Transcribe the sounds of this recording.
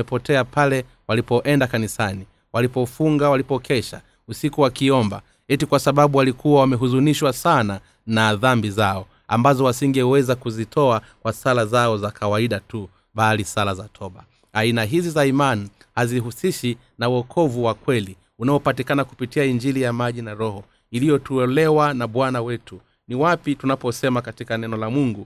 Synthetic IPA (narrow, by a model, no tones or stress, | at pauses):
ɛpɔtɛapʰalɛ | walipɔʔɛndakanisani | walipɔfuŋɡawalipɔkʰɛʃa̰ | usikuwakiɔmba̰ | hɛtikwasaɓaɓuwalikuwawamɛɦuzuniʃwasana | naðambizaɔ | a̰mbazɔwasiŋɡɛwɛzakuzitʰɔakwasalazaɔzakawaiɗatu | ɓalisalazatʰɔɓa | ainaɦizizaimani | haziɦusiʃi | nauwɔkʰɔvuwakwɛli | unaɔpatikanakupitiaiɲd͡ʒilijamaʄinaɾɔhɔ | ilijɔtuɛlɛwanaɓwanawɛtu | niwapitunapɔsɛmakatikanɛnɔlamuŋɡu